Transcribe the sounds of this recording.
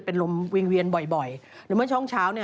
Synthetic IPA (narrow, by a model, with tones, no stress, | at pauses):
pe˧nlo˧mwi˧ŋwi˧ənbɔ˨˩jbɔ˨˩jɾɯː˨˦mɯ˥˩ət͡ɕʰɔ˥˩ŋt͡ɕʰaː˦˥wni˥˩